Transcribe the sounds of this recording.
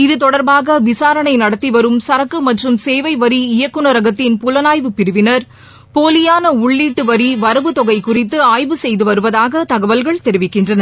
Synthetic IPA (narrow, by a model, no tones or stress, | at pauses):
ɪðɯt̪ɔɽɐɾbaːɣɐʋɪsaːɾɐɳɐɪnɐɽɐt̪ːiʋɐɾɯmsɐɾɐkːɯmɐʈrɯmseːʋɐɪʋɐɾiɪjɐkːɯɳɐɾɐɣɐt̪ːɪnpʊlɐnaːjʋɯpɪɾɯʋɪnɐɾ | poːlɪjaːnɐʊɭːiːʈːɯʋɐɾiʋɐɾɐʋɯt̪ɔɣɐɪkʊrɪt̪̬ːɯaːjʋɯsɛjðɯʋɐɾɯʋɐðaːɣɐt̪ɐɣɐʋɐlɣɐɭt̪ɛɾɪʋɪkːɪndrɐnɐ